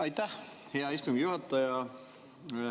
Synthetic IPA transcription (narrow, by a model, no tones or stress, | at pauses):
ɑjt̪ːæh | he̞ɑist̪umɡijuhɑt̪ːˑɑjɑ